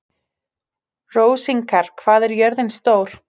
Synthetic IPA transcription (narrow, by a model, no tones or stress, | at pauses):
roːwsiŋkʰaɾ̥kʰvaːðɛɾjœɾðɪnst̪oːwɾ̥